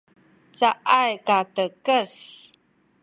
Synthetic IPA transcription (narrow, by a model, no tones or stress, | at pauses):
t͡saʔajkatəkəs